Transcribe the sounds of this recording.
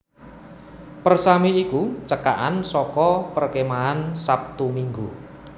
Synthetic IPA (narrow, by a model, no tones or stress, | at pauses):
pərsamiikut͡ʃəkaʔansɔkɔpərkemaansap̚t̪umiŋɡṵ